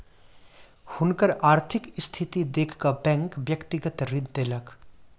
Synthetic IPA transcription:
hʊnkəɾaːɾt̪ʰɪkst̪ʰɪt̪id̪eːkʰkabɛ̃ŋkʋjəkt̪ɪɡət̪ɾɪd̪ːelək

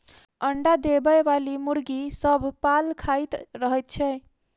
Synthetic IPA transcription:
əɳɖad̪ebəjʋalimuɾɡisəbʱpalkʰajt̪ɾəɦɛt̪̚t͡ʃʰɛ

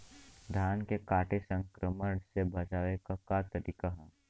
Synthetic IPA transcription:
d̪ʱjaːnkekaːʈesə̃ŋkɾəməɽsebɐt͡ʃaːʋekakat̪ɐɾiːkaɦɛː

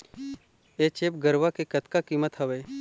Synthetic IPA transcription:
eːt͡ʃeːp̚ɡəɾʋakekət̪kakiːmət̪ɦəʋeː

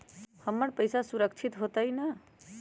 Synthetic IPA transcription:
həmːəɳpəjsasuɾəkt͡ʃʰit̪ɦot̪aina

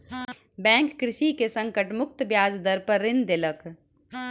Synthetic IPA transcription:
bɛ̃ːŋkːɾɪʃikesɐ̃ŋkəʈmʊk̚t̪bjaːd͡ʒd̪əɾpəɾːɪnd̪ɪlək

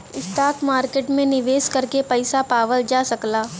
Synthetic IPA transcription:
ɪst̪aːkʰmaːɾkeːʈmẽnɪʋeːskɐɾkepɛɪsapaːʋəld͡ʒaːsɐklaː

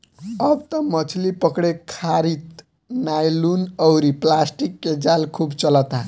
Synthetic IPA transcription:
ʌbt̪ʌmʌt͡sʰlipʌkɽekʰaɾit̪ | najlunʌwɾiplasʈikːed͡zalkʰubt͡sʌlʌt̪a

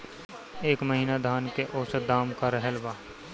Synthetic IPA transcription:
eːkməɦiːnad̪ʱaːnkeʔoːsed̪aːmkaɾəɦəlʋaː

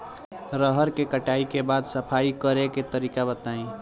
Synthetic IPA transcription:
ɾəɦəɾkekəʈaikebaːd̪səpʰaikəɾeket̪əɾiːkabət̪aĩ

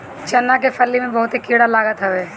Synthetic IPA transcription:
t͡ʃɐnːakepʰəlːimẽbəɦʊt̪ekiɽalaːɡət̪ɦəʋe

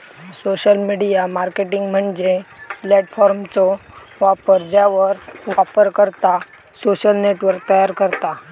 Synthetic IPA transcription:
soɕəlmiɽijamaɾkeʈiŋɡm̤əɳd͡ʑeplɛʈfɔɾmt͡sɔ | ʋapəɾd͡ʑaʋəɾʋapəɾkəɾt̪a | soɕəlneʈʋəɾk̚t̪əjaɾkəɾt̪a

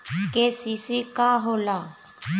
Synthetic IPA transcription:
kesisiːkaːɦoːlaː

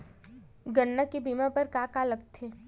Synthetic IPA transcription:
ɡənːakebiːmãpɐɾkaːkaləɡt̪ʰeː

